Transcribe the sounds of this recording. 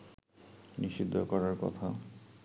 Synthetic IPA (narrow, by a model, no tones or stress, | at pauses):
niʃid̪ʱːokɔɾaɾkɔ̰t̪ʰa